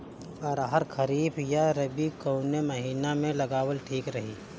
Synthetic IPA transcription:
ɔːɾaɦəɾkʰɐɾiːbjaɾɐbikoʊnemɐɦiːnamẽlɐɡaːwəlʈʰiːkɾɐɦiː

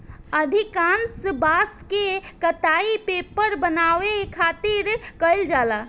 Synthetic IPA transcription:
əd̪ʱikansbaːskekət̪aipepəɾbənaːʋekʰaːt̪iɾkəild͡ʒaːla

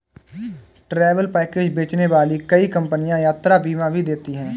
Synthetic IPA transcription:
ʈɾɛːʋəlpɛːkeːd͡ʒbeːt͡ʃneʋaːlikəikə̃mpənijãjaːt̪ɾabiːmãbʱid̪eːt̪iɦɛ̃ː

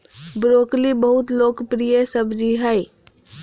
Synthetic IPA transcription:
bɾoklibəɦut̪lokpɾijəsəbʱd͡ʒiɦəj

